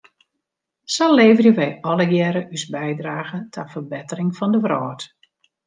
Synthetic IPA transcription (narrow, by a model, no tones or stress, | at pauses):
sɔleːvərjəʋɛjɔləjɛɾəʔysbɛjdraːɣətʰafərbɪtərɪŋfɔndəvrɔːt